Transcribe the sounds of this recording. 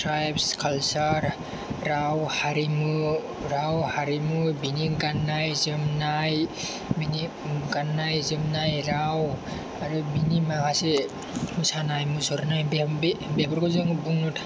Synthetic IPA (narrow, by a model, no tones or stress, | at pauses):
tɾajbskʰalsaɾː | awhaɾimɯ | ɾawhaɾimubiniɡanːajzɯmnaj | bini | ɡanːajzɯmnajɾaw | aɾubinimaɡasi | musanajmɯsɔɾnajbbebɔɾkɔzɯŋbuŋnɔtʰa